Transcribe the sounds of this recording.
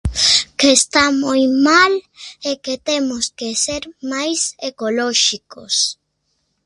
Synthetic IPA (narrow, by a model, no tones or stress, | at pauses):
kest̪amojmaleket̪emoskeseɾmajsekoloʃiko̰s